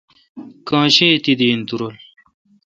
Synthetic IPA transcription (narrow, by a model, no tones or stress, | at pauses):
kãːɕet̪id̪int̪uɾol